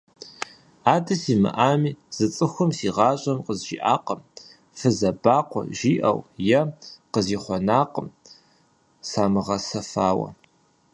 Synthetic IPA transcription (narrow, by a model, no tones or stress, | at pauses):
aːdɐsiːmɨ̰ʔaːmiːz̥ɨt͡sʼɨxʷʊmsiːʁɑːɕʼɐmqəzʒḭːʔaːqəm | fɨzɐbaːqʷɔ̰ʒiːʔɐ̰wjɐqəziːχʷɔnaːqəm | saːmɨʁɐsɐfaːwɐ̰